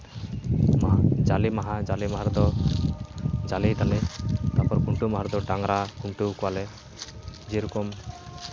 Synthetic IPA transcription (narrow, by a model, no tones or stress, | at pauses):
d͡ʒalimaɦad͡ʒalimaɦaɾd̪ɔ | d͡ʒalid̪alɛt̪apɔɾkuɳʈumaɦaɾd̪ɔɖaŋɾakuɳʈukɔwalɛ | d͡ʒeɾɔkɔm